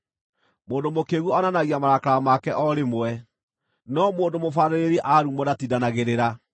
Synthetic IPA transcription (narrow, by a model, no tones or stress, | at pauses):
moːndomokeɣuɔnanaɣiamaɾakaɾamakɛʔɔɾemoɛ | nɔmoːndomofaɾeɾeɾɛʔaɾumɔnatidanaɣeɾeɾa